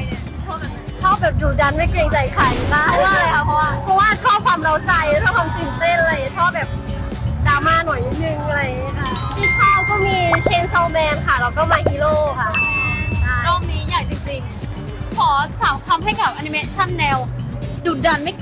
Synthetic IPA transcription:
a˧jt͡ɕʰɔː˥˩t͡ɕʰɔː˥˩p̚bɛː˨˩p̚duː˨˩t̚da˧nma˥˩jkleː˧ŋt͡ɕa˧jkʰa˧˩jkaː˧˥˩a˧waː˥˩˧a˦˥pʰɔ˧waː˥˩pʰɔ˧˥waː˥˩t͡ɕʰɔː˥˩p̚kʰwaː˧mɾa˧wt͡ɕa˧jt͡ɕʰɔː˥˩p̚kʰwaː˧msi˨˩nse˥˩nʔa˧a˧jni˧˩t͡ɕʰɔː˥˩p̚bɛː˨˩p̚ | i˨˩daː˧maː˥˩nu˨˩˦jni˧˩nɯ˧ŋ˧la˧jtʰiː˥˩t͡ɕʰɔː˥˩kɔː˥˩miː˧t͡ɕʰeː˧nsa˧˩wmɛː˧nkʰa˥˩ɾa˧wt̪ɔː˥˩maː˧kiː˧loː˥˩kʰa˦˥˩ | nɔː˧˥ŋmiː˧˥jaː˨˩jt͡ɕi˧ŋt͡ɕi˧ŋ | kʰɔː˩˦saː˨˩˦mkʰa˧mɦa˥˩jka˨˩p̚ʔa˧ni˧meː˧t͡ɕʰa˥˩nːɛː˧wduː˨˩t̪̚da˧nma˥˩j

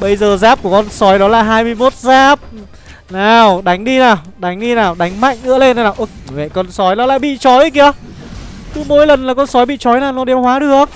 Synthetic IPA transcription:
ɓə˧jzəː˨˩zaː˦˥p̚ku˧˩əkɔ˧nsɔ˨˦jɗɔ˨˦laː˨˩ɦaː˧jmɨ˧əjmo˦˥t̚zaː˦˥p̚ | naː˨˩wɗa˨˦jŋ̟ɗi˧naː˨˩wɗa˨˦jŋ̟ɗi˧naː˨˩wɗa˨˦jŋ̟ma̰˧˨jŋŋɨ̰˧˥əle˧nt̪a˧jnaː˨˩wʔʊ˧˩˨mɛ̰˧˨kɔ˧˩nsɔ˨˦jnɔ˨˦laː˧˨jɓḭ˧˨t͡ɕɔ˨˦jki˧ə˧˦ | t̪ɨ˨˦mo̰˧˥jlə˨˩nlaː˨˩kɔ˧nsɔ˨˦jɓḭ˧˨t͡ɕɔ˨˦jnaː˨˩nɔ˨˦ɗɛ˨˧˦mhwaː˨˦ɗɨ˨˩ək̚

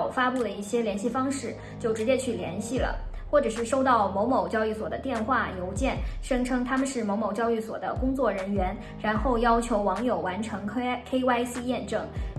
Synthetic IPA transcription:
ʊfa˥pu˥˩d̪ə˩i˥˩ɕjɛ˥ljɛ˧˥nɕi˥˩fɑ˥ŋʂɻ̩˥˩ | t͡ɕjo˥˩ʊʈ͡ʂɻ̩˧˥t͡ɕjɛ˥t͡ɕʰy˥˩ljɛ̰˧˥nɕi˥˩lə̰˩xwɔ˥˩ʈ͡ʂɤ˨˩ʂɻ̩˥˩ʂo˥ʊt̪ɑ˥˩ʊmo˧˥ʊmo˨˩ʊt͡ɕjɑ˥ʊy˥˩swɔ˨˩d̪ə̰˦t̪jɛ˥˧nxwa˥˩jo˧˥ʊt͡ɕjɛ˥˩nʂɤ˥ŋʈ͡ʂʰɤ˥ŋt̪ʰa˥mə˨nʂɻ̩˥˩mo˧˥ʊmo˨˩ʊt͡ɕjɑ˥ʊy˥˩swɔ̰˨˩d̪ə̰˦kʊ˥ŋt͡swɔ˥˩ɻə˧˥nɥɛ˧˥n | ɻa˧˥nxo˥˩ʊjɑ˥ʊt͡ɕʰjo˧˥ʊwɑ˧˥ŋjo˨˩ʊwa˧˥nʈ͡ʂʰɤ˧˥ŋkʰe˥ɪwa˥ɪs̩˥jɛ˥˧nʈ͡ʂɤ˥˩ŋ

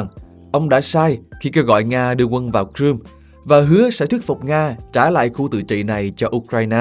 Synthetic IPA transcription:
ŋ | ʔə˧wŋ͡mɗa̰ː˧˥saː˧jxi˧ke˧wɣɔ̰˧˨jŋaː˧ɗɨ˧əkwə˧nvaː˨˩wkɾɨ˧m | vaː˨˩ɦɨ˨˦əsɛ̰˧˥t̪ʰwi˦˥t̚fu˨˩k͡p̚ŋaː˧t͡ɕaː˧˩la̰ː˧˨jxu˧t̪ɨ̰˧˨t͡ɕḭ˧˨na˨˩jt͡ɕɔ˧ʔu˧kɾaː˧jnaː˧

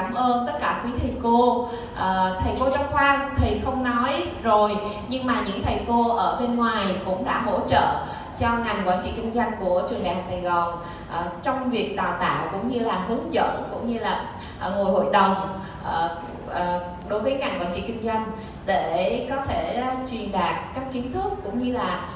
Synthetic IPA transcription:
aː˧˩mʔəː˧nt̪ə˦˥t̚kaː˧˩kwi˨˦t̪ʰi˨˩ko˧ | ʔːt̪ʰə˨˩jko˧t͡ɕɔ˨˧˦xwaː˧nt̪ʰi˨˩xə˧wŋ͡mnɔ˨˦j | zo˨˩j | ɲɨ˧ŋmaː˨˩ɲɨ̰˧˥ŋt̪ʰə˨˩jko˧ʔəː˧˩ɓe˧nŋwaː˨˩jkʊ̰˧˥ŋ͡mɗa̰ː˧˥ɦo̰˧˩˥t͡ɕə̰ː˧˨ | t͡ɕɔ˧ŋa˨˩ŋkwaː˧˩nt͡ɕḭ˧˨˩ki̟˧zwa˧jŋ̟ku˧˩ət͡ɕɨ˨˩əŋɗaː˨˩ŋsaː˨˩jɣɔ˨˩n | ʔt͡ɕɔ˧wŋ͡mvi˨˩ək̚ɗa̰ː˧˨˩wt̪a̰ː˧˨wkʊ̰˧˥ŋ͡mɲɨ˧laː˨˩ɦɨ˨˦əŋzə̰˧˥nkʊ̰˧˥ŋ͡mɲɨ˧laː˨˩˨ | ŋo˨˩jho̰˧˨jɗə˨˩wŋ͡m | ʔ | ɗo˨˦jvəː˨˦jŋa˨˩nŋkwa̰ː˧˥nt͡ɕḭ˧˨ki˧ŋ̟zwa˧jŋ̟ | ɗe˧˩kɔ˨˦t̪ʰe˧˩˧t͡ɕwi˨˩ənɗaː˨˩k̚kaː˦˥kːi˨˦ənt̪ʰɨ˦˥əkːʊ̰˧˥ŋ͡mɲɨ˧laː˨˩

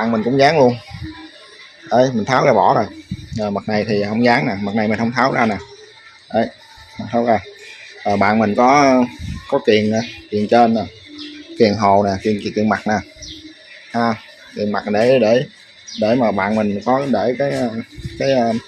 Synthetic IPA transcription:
aː˧˨nmï˨˩ŋ̟kʊ̰˧˥ŋ͡mzaː˨˦ŋlu˧ən | ʔə˧˩jmi̟˨˩t̪ʰaː˨˦wzaː˧˩ɓɔ̰˧˩˦zo˨˩jʔəː˨˩ma˨˩k̚na˨˩jt̪ʰi˨˩hə˧wŋ͡mzaː˨˦ŋnaː˨˩ma˨˩k̚na˨˩jmi˨˩nhə˧ŋ͡mt̪ʰaː˨˦wzaː˧naː˨˩ | ʔə˧˩j | ma˨˩t̪ʰaː˨˦wzaː˨˩ʔəː˨˩ɓa̰ː˧˨nmï˨˩ŋ̟kɔ˨˦˧kɔ˨˦ki˨˩ənaː˨˩ki˨˩ənt͡ɕe˧nːaː˨˩ | ki˨˩ənɦo˨˩naː˨˩ki˨˩ənki˨˩ki˨˩ənma˨˩k̚naː˨˩ | haː˧˩ | ki˨˩ənma˨˩ɗe˧˩˦ɗe˧˩ | ɗe˧˩maː˨˩ɓa̰ː˧˨nmi˨˩ŋ̟kɔ˨˦ɗe˧˩kaː˨˦jəː˧˩kaː˨˦jə˧

